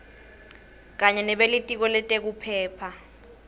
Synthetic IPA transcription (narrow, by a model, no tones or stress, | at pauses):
k̬aɲɛnɛɓelitʼik̬ɔlɛtʼek̬upʰɛːpʰa